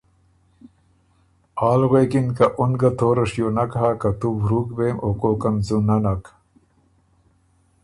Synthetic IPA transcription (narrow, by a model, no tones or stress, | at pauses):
aːlʁekinkɐʔunɡɐt̪ʰoːɾɐʂjoːnɐkɐɦakɐt̪ubɾuːkbeːmoːkoːkɐmzunɐnɐk